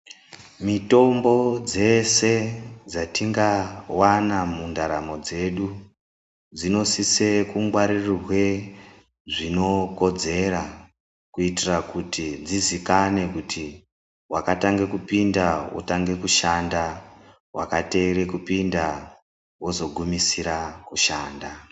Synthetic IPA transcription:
mito̞mbo̞d͡ze̞se̞d͡zatiŋɡawanamundaɾamo̞d͡ze̞ɗu | d͡zino̞sise̞kuŋɡwaɾirrwe̞ | ʐino̞ko̞d͡ze̞ɾa | kuitirakutid͡zizikane̞kutʰi | wakataŋɡe̞kupindawo̰taŋɡe̞kuʃanda | wa̰kate̞ːɾe̞kupinda | wozo̞ɡʱumisiɾakuʃaːnda

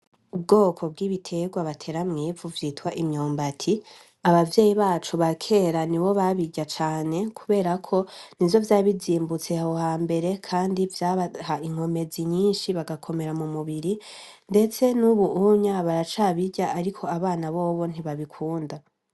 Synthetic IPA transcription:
ub̚ɡo̞ːkʰo̞b̚ɡiːβitʰe̞ɡwaβatʰe̞ːɾamŋiːvuvjiːtwaʔimɲoːmbatʰi | aβavje̞ːjiβaːt͡ʃuβakʰe̞ɾaniβo̞βaβiɟat͡ʃaːne̞kʰuβe̞ːɾakʰo̞nizo̞vjaːβiziːmbut͡se̞hahohaːmbe̞ɾe̞kʰaːndivjaːβahaiŋ̥ho̞me̞ziɲiːnʃiβaɡakʰo̞me̞ɾamumuβiɾi | nde̞t͡se̞nuβuʔuɲaβaɾat͡ʃaβiɟaʔaɾikʰo̞aβaːnaβoːβo̞n̥iβaβikʰuːnda

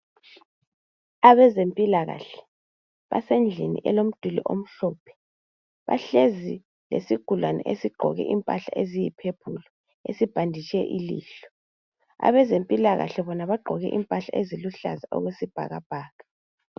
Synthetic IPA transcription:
aβɛzempʼilaɣa̰ɬɛ̥ | βa̰send͡ɮʱinḭʔɛlom̩d̥ʱulḭʔo̰m̩ɬɔːpʰɛ̥ | βa̰ɬezi | lḛsiɡ̥ʱulwanɛ̰ʔesiɡ͡ǃʱɔɣɛ̰ʔimpʼaɬa̰ʔezijipʰeb̥ʰʱulɔ | esib̥ʱandʱit͡ʃʼɛ̰ʔilḭːɬɔ̥ | a̰βɛzempʼilaɣa̰ɬɛβɔnaβaɡ͡ǃʱɔɣɛ̰ʔimpʼaɬaʔeziluɬa̰zaʔɔ̰ɣwesib̥ʱa̰ɣab̥ʱaːɣa

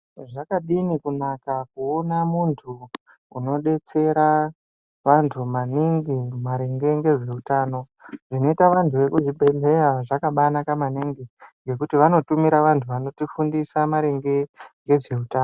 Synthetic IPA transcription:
ʐakaɗinikunakakuo̞namuntʰu | uno̞ɗe̞t͡se̞ɾa | ʋantʰumaniŋɡimaɾeŋɡe̞ŋɡe̞ʐe̞utaːno̞ | ʐino̞itaʋantʰuʋe̞kuʐibʱe̞ɮe̞ɾaʐakaɓanakamaniŋɡiŋɡe̞kutiʋano̞tumiɾaʋantʰuʋano̞tifundisamaɾeŋɡe̞ŋɡe̞ʐe̞utaːno

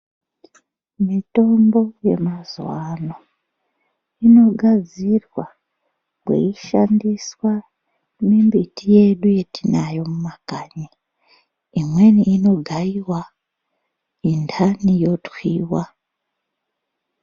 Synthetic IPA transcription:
mito̞ːmbo̞je̞̰mazwaːno | ino̞ɡaziɾwa | ɡwḛjiʃaːndiswa | nembitije̞ːɗuje̞tinajo̞mumakaɲi | imwe̞niːno̞ɡajiwa | intʰanijo̞twiːwa

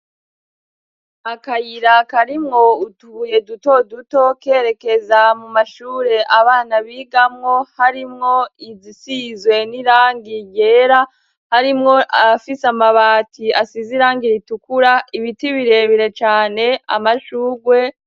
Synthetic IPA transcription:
akajiɾakaɾimŋo̞utuje̞duto̞duto̞ke̞ːɾe̞ke̞zamumaʃuːɾe̞ʔaβaːnaβiːɡamŋo̞haɾimŋo̞izisizɡwe̞niɾaːŋɡiɟe̞ːɾa | haɾimŋo̞ʔafisamaβaːtʰiasiziɾaːŋɡiɾitukuɾaiβitiβiɾe̞βiɾe̞t͡ʃaːne̞a̰maʃuːɾɡwe̞

